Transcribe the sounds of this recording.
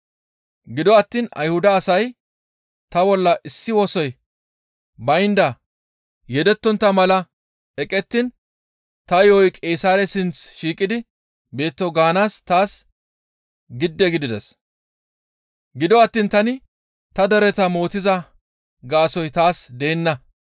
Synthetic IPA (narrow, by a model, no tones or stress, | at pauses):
ɡɪd̪ɔɐt̪ːiːnɐ̰jhʊd̪ɐːsɐj | t̪ɐbɔlːɐʔɪsːɪwɔsɔj | bɐjnd̪ɐ | jɛd̪ɛt̪ːɔnt̪ːɐmɐlɐ | ɛkʼɛt̪ːɪn | t̪ɐjɔjkʼeːsaːɾɛsɪnt͡sʃiːkʼːɪd̪ɪ | be̞ːt̪ːɔɡaːnaːst̪aːs | ɡɪd̪ːɛɡɪd̪ɪd̪ɛs | ɡɪd̪ɔɐt̪ːiːnt̪ɐnɪ | t̪ɐd̪ɛɾɛt̪ɐmo̞ːt̪ɪzɐ | ɡaːsɔjt̪aːsd̪eːnːɐ